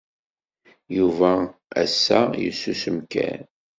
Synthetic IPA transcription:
juvææ̰sːæjə̰sːusəmkæ̰n

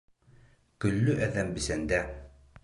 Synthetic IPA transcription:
kɵ̆lːɵʔæðæmbɘ̆sænd̪æ

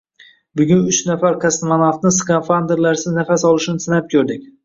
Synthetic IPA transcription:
bʊɡʲʊnʊt͡ʃnafaɾkʰʲast̪manafnɪskanfand̪eɾlaɾsɪznafasɒlˠɪʃɪnɪsɪnap̚kʲʰɵɾd̪ɪk̚ʲ

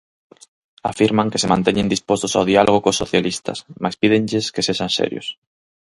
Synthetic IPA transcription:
a̰fiɾmaŋkesemãnt̪eɲẽnd̪ispost̪osawðialʔoɣ̞okosːo̰θjalist̪ɐ̰smaspiðenʎeskeseʃãnsɛ̰ɾjo̰s

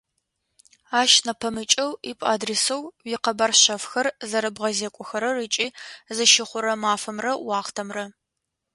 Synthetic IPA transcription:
aːʃnɐpʰɐmɨt͡ʃʼɐwipʼa̰ːdresɐwjiqɐbarɕɐfxɐrzɐɾɐbʁɐzeːkʷʼʊxɐɾɐrɨt͡ʃʼiːzɨʃɪχʷʊɾɐmaːfɐmrɐwɑːχtʰɐmrɐ

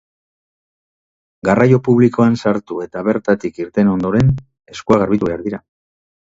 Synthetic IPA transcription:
ɡarajo̞puβliko̞ansaɾt̪ue̞t̪aβe̞ɾt̪at̪ikiɾt̪e̞no̞nd̪o̞ɾe̞n | e̞skuaɣ̞aɾβit̪uβe̞aɾðiɾa

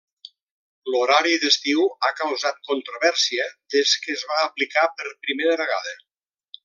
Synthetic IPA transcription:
loɾaɾiðəst̪iwakəwzat̪̚kont̪ɾoβɛɾsiədeskəːzβaːplikapəɾpɾimeɾəβəɣa̰ðə

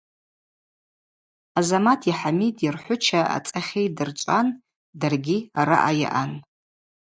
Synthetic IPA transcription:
azamatʰiħamidirħʷʊt͡ʃʰaa̰t͡sʼaχʲejdɨrt͡ʃʷʼan | darɡʲiaɾa̰ʔaja̰ʔan

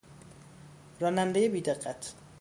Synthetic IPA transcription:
ɾɒːnænd̪ejebiːd̪eqːæt̪ʰ

